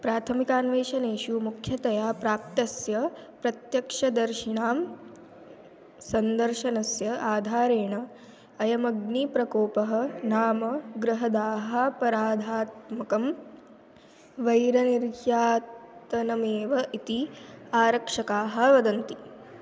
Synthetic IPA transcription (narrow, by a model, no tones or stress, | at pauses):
pɾaːt̪ʰɐmikaːnʋeːʃɐneːʃumukʰjɐt̪ɐjaːpɾaːp̚t̪ɐsjɐpɾɐt̪jɐkʂɐd̪ɐɾʃiɳaːm | sɐnd̪ɐɾʃɐnɐsjɐʔaːd̪ʱaːɾeːɳɐː | jɐmɐɡnipɾɐkoːpɐɦɐnaːmɐɡɾɐɦɐd̪aːɦɐpɐɾaːd̪ʱaːt̪mɐkɐm | ʋɐjɾɐniɾjaːt̪ɐnɐmeːʋɐʔit̪iaːɾɐkʂɐkaːɦɐ̆ʋɐd̪ɐnt̪i